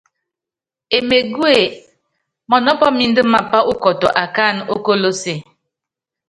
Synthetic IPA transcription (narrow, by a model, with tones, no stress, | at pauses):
e˨me˨ɡu˦e˨ | mɔ˨nɔ˦pɔ˦mi˦n̩˦dɨ˦ma˨pa˦ʔu˦kɔ˨tɔ˨ʔa˨ka˦˨no˦ko˦lo˦se˨